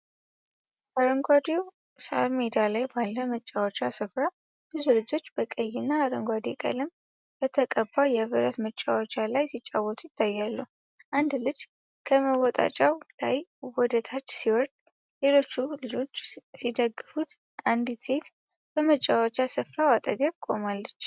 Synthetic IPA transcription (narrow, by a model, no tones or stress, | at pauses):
aɾəŋɡʷad̪iw | sa̰lmed̪alajbalːəmət͡ʃʼːawt͡ʃːasɨfɾa | b̥ɨzulɨd͡ʒo̞t͡ʃːbəkʼəjːɪnːaːɾəŋɡʷad̪ikʼə̰lɨm | b̥ət̪ʰəkʼəbːajɛβɨɾət̪mət͡ʃʼːawt͡ʃʼalajsit͡ʃʼːa̰wɔt̪ʰʼujɪt̪ʰːajːalːu | ʔand̪lɨd͡ʒ | kʰəməwɔt̪ʼa̰t͡ʃʼawla̰jwɔd̪ət̪ʰat͡ʃːsiwɔɾd̪ | le̞lo̞t͡ʃːulɨd͡ʒo̞t͡ʃːsid̪əɡːɨfut̪ | and̪it̪e̞t̪ | b̥əmət͡ʃʼːawɔt͡ʃːasɨfɾawat̪ʼəɡəβkʼo̞malːət͡ʃː